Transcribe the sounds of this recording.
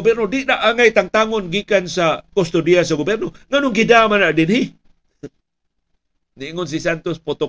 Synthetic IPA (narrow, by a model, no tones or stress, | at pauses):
bɛɾnodɪʔdaʔaŋajt̪aŋt̪aŋonɡikansakost̪odias̬aɡobɛrnoŋanʊŋɡidamanaʔdɪnhɪ | niʔŋʊns̬isant̪ospot̪o